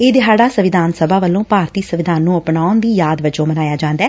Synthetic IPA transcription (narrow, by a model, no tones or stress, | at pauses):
eːd̪ɪɦaːɖaːsəʋɪd̪ʱaːnsəbaːʋəlːõːpaːɾt̪iːsəʋɪd̪aːnːũːəpnaːʊnd̪iːjaːd̪ʋət͡ʃõːmənaːjaːd͡ʒãːnd̪aɛː